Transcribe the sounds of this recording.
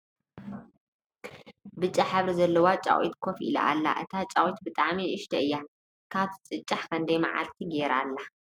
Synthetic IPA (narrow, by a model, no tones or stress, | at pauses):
bɨt͡ʃʼaħaβɾizɐlːɐwat͡ʃʼa̰wḭt̪kʰofḭla̰ʔa̰lːa̰ʔɨt̪ʰat͡ʃʼawit̪bɨt̪ʼaʕmiʔɨʃt̪ʰɐɨjːa | kʰat̪ʰt͡sʼɨt͡ʃʼːaħkʰɐnd̪ɐjma̰ʕa̰lt̪ʰiɡeɾa̰lːa